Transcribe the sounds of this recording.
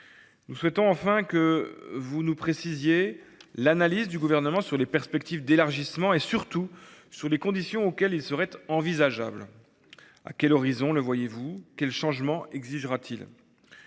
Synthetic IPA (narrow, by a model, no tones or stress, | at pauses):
nuswɛt̪ɔ̃ɑ̃fɛ̃kəvunupχesizjelanalizd̪yɡuvɛʁnəmɑ̃syʁlepɛʁspɛk̚t̪ivd̪elaʁʒismɑ̃esyʁt̪usyʁlekɔ̃d̪isjɔ̃okʲɛlilsəʁɛt̪ɑ̃vizaʒa̰bl | a̰kʲɛlɔʁizɔ̃ləvwajevukʲɛlʃɑ̃ʒmɑ̃ʔɛɡziʒʁat̪ʰil